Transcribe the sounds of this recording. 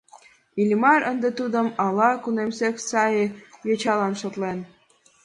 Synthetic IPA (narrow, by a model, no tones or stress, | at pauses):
ilʲmɑɾənd̪ĕt̪ud̪əmɑlɑkunemseksɑjejɤt͡ɕɑlɑnʃot̪len